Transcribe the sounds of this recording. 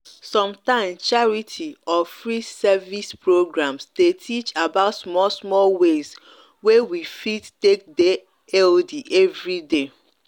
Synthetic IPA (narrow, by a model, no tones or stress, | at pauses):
sɔ̃mtãɪ̃mt͡ʃaɹitʰiɔfɹisɛvispɹoɡɹãmsdetʰit͡ʃabaʊtsmɔlsmɔlwez | wewifittek̚de | ɛldiʔɛvɹide